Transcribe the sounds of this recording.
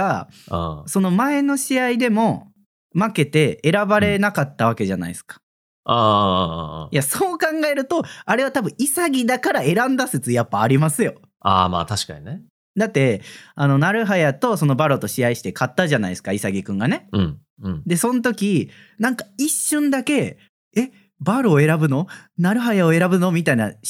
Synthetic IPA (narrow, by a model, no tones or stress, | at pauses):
ã̰ː | so̞no̞mae̞no̞ɕiaid̪e̞mo̞ | make̞t̪e̞ːɾabaɾe̞nakat̪ːaβ̞ake̞ʑana̰ḭsɨ̥kḁ | aː | jaso̞ːkãŋɡae̞ɾɯ̟t̪o̞aɾe̞βat̪abɯ̟̃isaɡʲid̪akaɾae̞ɾãnd̪asɨt͡sɨjapːaːɾʲimasɨjo̞ | a̰ːma̰ːt̪aɕi̥ka̰ɲine | d̪at̪ːe̞ano̞naɾɯ̟ɦajat̪o̞so̞no̞baɾo̞t̪o̞ɕiaiɕi̥t̪e̞kat̪ːaʑanaisɨ̥kaisaɡʲikɯ̟̃ŋɡane̞ɯ̟̃ɴ̃ | d̪e̞sõ̞nt̪̬o̞kʲi | nãŋkaiɕːɨ̃nd̪ake̞ | e̞ | baɾo̞ːe̞ɾabɯ̟no̞naɾɯ̟ɦajaoe̞ɾabɯ̟no̞mʲit̪aina